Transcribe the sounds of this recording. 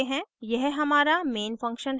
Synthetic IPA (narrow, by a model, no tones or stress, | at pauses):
ɦɛ̃ːjɛɦɦɐmaːɾameːnfɐ̃ŋkʃənɦ